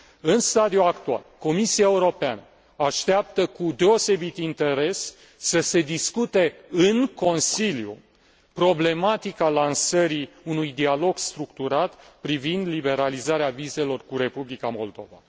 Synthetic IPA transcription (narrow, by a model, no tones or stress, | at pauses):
ɨnst̪ad̪iuakt̪ua̰lko̞misiae̞uɾo̞pea̰nə | aʃt̪eap̚t̪əkud̪e̞o̞se̞bit̪int̪e̞ɾe̞sː | əse̞d̪iskut̪e̞ɨnko̞nsiljṵ | pɾo̞ble̞mat̪ikalansəɾi | unujd̪ialo̞ɡst̪ɾukt̪uɾat̪pɾivind̪libe̞ɾalizaɾeavize̞lo̞rkuɾe̞publikamo̞̰ld̪o̞va̰